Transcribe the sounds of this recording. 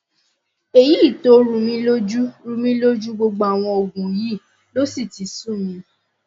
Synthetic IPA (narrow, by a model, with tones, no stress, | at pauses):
e˨ji˦i˦˨to˨˦ɾũ˨˧mĩ˧lo˦d͡ʒu˦ɾũ˧mĩ˦lo˦d͡ʒu˦ɡ͡bo˧ɡ͡ba˧a˨w̃ɔ̃˧o˨ɡũ˨ji˦˨ | lo˦si˦˨ti˨sũ˦˨mĩ˧